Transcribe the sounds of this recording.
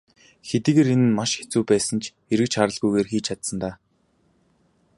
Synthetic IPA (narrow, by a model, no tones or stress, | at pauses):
xet̪iːɣeːɾenɘ̆nmaʃxe̥t͡suːpæːsə̆nt͡ɕʰ | eɾɘ̆kt͡ɕχaɾə̆ɮɣujɣeːrxiːt͡ɕʰat̪sə̆nt̪aː